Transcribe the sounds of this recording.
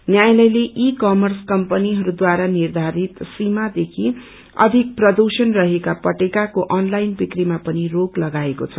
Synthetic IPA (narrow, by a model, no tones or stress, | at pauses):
njajlʌjleʔikʌmʌrskʌmpʌniɦʌɾud̪waɾanird̪ʱaɾit̪simad̪ekʰi | ʌ̰d̪ʱik̚prʌd̪usʌnrʌɦekapʌʈekakoʔʌnlajnbikrimapʌniroɡlʌɡaekot͡sʰʌ